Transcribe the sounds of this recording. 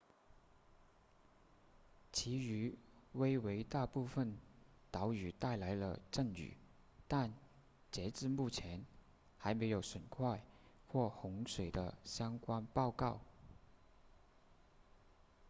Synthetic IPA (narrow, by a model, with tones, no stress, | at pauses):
t͡ɕʰi˧˥y˧˥we˥ɪwe˧˥ɪt̪a˥˧pu˥˧fə˥˩nt̪ɑ˧˥ʊy˨˩t̪a˥˩ɪla˧˥ɪlə̰˧ʈ͡ʂə˥˩ŋy̰˨˩ | t̪a˥˩n | t͡ɕjɛ˧˥t͡sɹ̩˥˧mu˥˩t͡ɕʰjɛ˧˥n | xa˧˥ɪme˧˥ɪjo˨˧˩ʊʂwə˨˩nkʰwa˥˧ɪ | xwɔ˥˩xʊ˧˥ŋʂwe˨˩ɪd̪ə̰˦ɕjɑ˥ŋkwa˥npɑ˥˧ʊkɑ˥˩ʊ